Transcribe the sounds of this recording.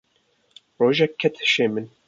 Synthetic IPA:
ɾoːʒɛkʰːɛt̪ʰʃeːmɨn

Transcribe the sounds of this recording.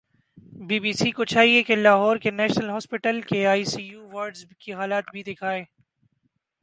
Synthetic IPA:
biːbiːsikot͡ʃaːɦiekelaːɦɔːɾkenɛːʃnəlɦɔːspɪʈəlkeaːisiːjuːʋɐɾɖzkiɦaːlaːt̪bʱid̪ɪkʰaːeː

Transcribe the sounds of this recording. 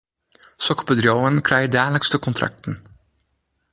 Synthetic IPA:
sɔkpəd̪ɾjoːənkʰɾæjədæːləkst̪əkʰɔnt̪ʰɾa̰k̚t̪n̩

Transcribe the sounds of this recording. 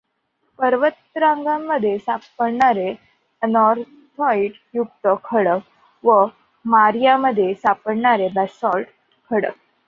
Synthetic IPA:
pəɾʋət̪ɾãŋɡamːəd̪ʱːjesapəɽɳaɾe | ənɔɾ | t̪ʰɔiʈ | juk̚t̪əkʰəɽək̚ | ʋə | maɾjaməd̪ʱːjesapəɽɳaɾebɛsɔlʈ | kʰəɽə̰k̚

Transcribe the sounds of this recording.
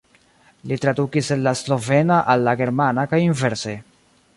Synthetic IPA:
litɾadukisenlaslo̞ve̞naʔalːaɡe̞ɾmanakajinve̞ɾse̞

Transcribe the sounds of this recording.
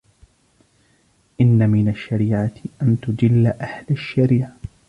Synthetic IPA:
ʔɪnːamɪnaʃːaɾiːʕaʔant̪ʊd͡ʒɪlːaʔahlaʃːaɾiːʕa

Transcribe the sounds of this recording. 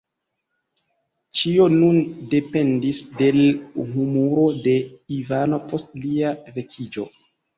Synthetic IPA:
t͡ʃio̞nunde̞pe̞ndisde̞lɦumuɾo̞de̞ivano̞po̞stliave̞kʰid͡ʒo̞̰

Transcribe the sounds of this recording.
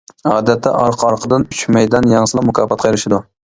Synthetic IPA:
ɑːd̪ɛt̪ʰːɛʔɑɾqʰɑɾqʰəd̪ɨnyt͡ʃmɛjd̪ɛnjɑŋsɨlˠɑmʊkʰɑːfɑt̪̚qʰɑjeɾɪʃɪd̪u

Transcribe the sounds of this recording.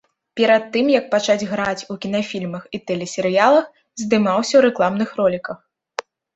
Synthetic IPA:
pʲɛɾɐt̪ːɨmjɐk̚pat͡ʂad͡zʲɣɾat͡sʲukʲin̪afʲilʲmɐxit̪ɛlʲɛsʲɛɾɨjalˠɐx | zʲd̪ɨmawsʲɐwɾɛklˠamn̪ɨxɾɔlʲikɐx

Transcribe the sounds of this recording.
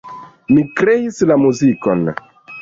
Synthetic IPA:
mikɾeislamuziko̰n

